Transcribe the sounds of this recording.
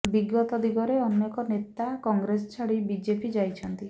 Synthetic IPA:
biɡɔt̪ɔd̪ʱiɡɔɾeɔnjekɔnet̪akɔŋɡɾesɔt͡ʃʰaɽibid͡ʒepid͡ʒajt͡ʃʰɔnt̪i

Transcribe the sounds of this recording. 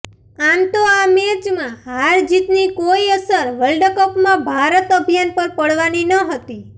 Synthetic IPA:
amt̪oameɾd͡ʒmãɦaɾd͡ʒit̪nikoiəsəɾʋəlɖkəpmãbʱaɾət̪əbʱijanpəɾpəɽʋaninəɦət̪i

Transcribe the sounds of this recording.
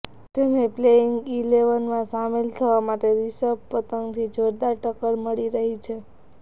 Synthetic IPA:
t̪ennepleɪŋɡileʋənmãsamelt̪ʰəʋamaʈeɾisəb̚pət̪əŋɡt̪ʰid͡ʒʱoɾd̪aʈəkəɾməɭiɾəɦit͡ʃʰe

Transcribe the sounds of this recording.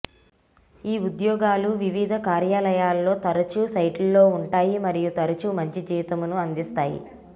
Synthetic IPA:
iːud̪jɔːɡaːluʋiʋid̪ʱɐkaːɾjaːlɐjaːlːo̞ːt̪ɐɾɐt͡ʃusɐjʈlɐlo̞ːuɳʈaːjimɐɾijut̪ɐɾɐt͡ʃumɐɲt͡ʃid͡ʒiːʋit̪ɐmunuɐnd̪ist̪aːjḭ

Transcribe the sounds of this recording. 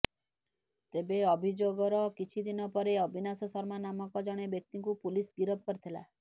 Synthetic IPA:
t̪ebeɔbʱid͡ʒoɡɔɾɔkit͡ʃʰid̪inɔpɔɾeɔbʱinasɔsɔɾmanamɔkɔd͡ʒɔɽ̃ebjek̚t̪iŋkupulisɡiɾɔp̚kɔɾt̪ʰela̰

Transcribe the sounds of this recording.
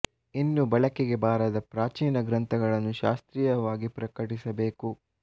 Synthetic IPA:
inːubɐɭɐkeɡe̞baːɾɐd̪ɐpɾaːt͡ʃiːnɐɡɾɐnt̪ʰɐɡɐɭɐnːuʃa̰ːst̪ɾiːjɐʋaːɡipɾɐkɐʈisɐbeːku

